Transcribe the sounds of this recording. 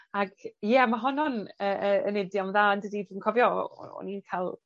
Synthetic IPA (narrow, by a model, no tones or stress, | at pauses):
aɡjɛmaɦɔnɔnəʔəənɪdjɔmðaːndədidiːnkʰɔvjɔ̰ɔ̰ninkʰalˠ